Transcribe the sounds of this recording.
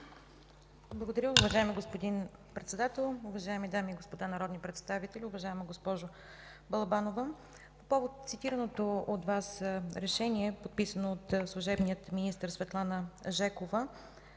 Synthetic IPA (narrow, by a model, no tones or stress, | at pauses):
blˠɐɡod̪ɐɾʲjəʊvɐʒaɛmiɡospod̪inpɾɛt̪sɛd̪at̪ɛlˠʊvɐʒaɛmid̪amiːɡospod̪anɐɾɔd̪nipɾɛt̪st̪avit̪ɛlʲiʊvɐʒaɛməɡospɔʒʊ | bɐlˠɐbanovə | popɔvot̪̚t̪sit̪iɾənot̪oot̪vasɾɛʃɛniɛpot̪̚pisənoot̪slˠuʒɛbnijət̪minist̪əɾsvɛt̪lˠanəʒɛkovə